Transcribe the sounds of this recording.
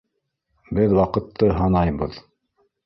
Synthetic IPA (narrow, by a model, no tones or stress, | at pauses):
bɘðwɑqɤ̆t̪ʰːɤɦɑnɑjbɤ̰ð